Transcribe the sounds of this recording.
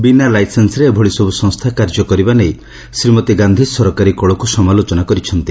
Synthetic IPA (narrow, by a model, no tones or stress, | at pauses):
binalajsensɾebʱoɭisɔbusɔ̃ŋst̪ʰakaɾd͡ʒɔkɔɾibanej | sɾimɔt̪iɡand̪ʱisɔɾɔkaɾikɔɭɔkusɔmalot͡ʃɔnakɔɾit͡ʃʰɔnt̪i